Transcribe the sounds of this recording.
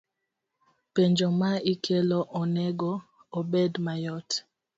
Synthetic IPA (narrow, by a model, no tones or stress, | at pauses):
peɲd͡ʒɔmaikʰɛlɔʔɔnɛɡɔː | bɛdmajɔt